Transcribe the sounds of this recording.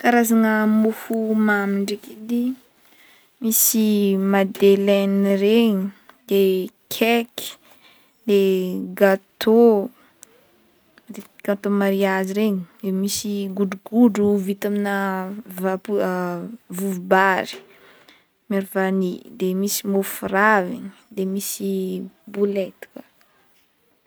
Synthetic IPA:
kaɾazaŋəmuhumamiɳɖ͡ʐekid̪i | misimad̪elɛnɾeɲid̪ekʰɛki̥ | leɡat̪ʰo | deɡ̥at̪omaɾiaziɾeɲid̪emisiɡuɖ͡ʐuɡuɖ͡ʐuvit̪aminəvapu | vuvubaɾi̥ | maɾvanid̪emisimofuravḭɲid̪emisibulet̪u̥kə̥

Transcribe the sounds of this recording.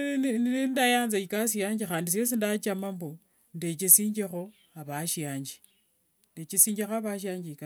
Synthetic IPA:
indajaːnzaikas̬jaːɲd͡ʒixaːndis̬es̬indat͡ʃamambo | ndet͡ʃesiːɲd͡ʒexo̞ | aβaʃjaːɲd͡ʒi̥ | ndet͡ʃesiːɲd͡ʒexaβaʃ̬jaːɲd͡ʒiika

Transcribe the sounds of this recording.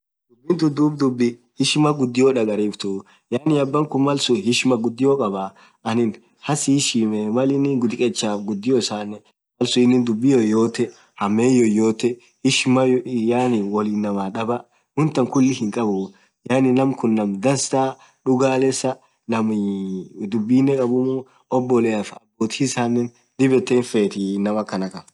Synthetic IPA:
d̪ʊbːɪnt̪ʊd̪uːbd̪ʊbːɪ | hɪʃɪmɐɡʊd̪ːɪjoːᶑɐɡɐɾibt̪uː | jaːnɪɐbːɐŋkʊmɐlsʊhɪʃɪmɐɡʊd̪ːɪjokʼɐbaː | ʔɐnɪn | hɐsiːʃiːmɛmɐlɪnɪɡʊd̪ɪkʼɛt͡ʃːaːɡʊd̪ːɪjosaːnːɛ | mɐlsʊɪnːɪnd̪ʊbːɪjojo̞ːt̪ːɛ | hɐmeːjɔjoːt̪ːɛ | hɪʃmɐjjaːnɪwɔliːnːɐmaːᶑɐbɐ | hʊnt̪ːɐŋkʊlːɪhɪŋkʼɐbʊ | jaːnɪnːɐmkʊnːɐmd̪ɐnst̪aː | ᶑʊɡaːlɛsɐ | nɐm | d̪ʊbːiːnːɛkʼɐbʊmu | ɔbːɔlɛɐfɐbːoːt̪ɪsaːnːɛn | d̪ɪbɛt̪ːeːnfeːt̪ɪnɐmɐkːɐnɐkɐ

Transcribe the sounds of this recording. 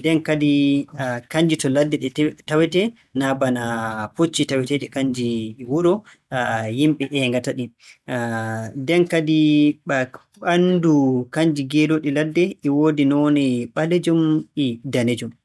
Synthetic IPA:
dɛnkadi | kaɲd͡ʒitɔladːɛɗɛtawɛtɛ | nabanapot͡ʃːitawɛtɛɗɛkaɲd͡ʒiwuɾɔ | jimɓɛʔɛŋɡataɗi | dɛnkadi | ɓandukaɲd͡ʒiɡɛdoɗiladːɛʔɛwoːdinɔnɛɓaled͡ʒɔmidaned͡ʒɔm

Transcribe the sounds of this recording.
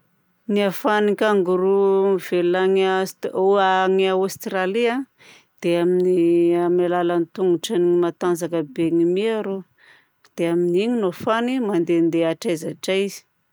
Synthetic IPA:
niafanikʲaŋɡuɾuiv̥elaŋsoaŋaust̪ralia | d̪̥eaminiamalalanit̪uŋuʈ͡ʂaniimat̪and͡zakəbeŋimiaɾo | d̪̥eaminiŋinofanimand̪end̪eaʈ͡ʂajzaʈ͡ʂaizi̥

